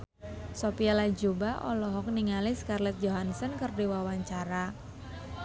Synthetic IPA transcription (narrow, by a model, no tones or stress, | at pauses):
sopialad͡ʒubaʔɔ̰lɔɦɔk̚niŋalɪskarlɛt̪̚d͡ʒoɦansənkərdiwawaɲt͡ʃaɾa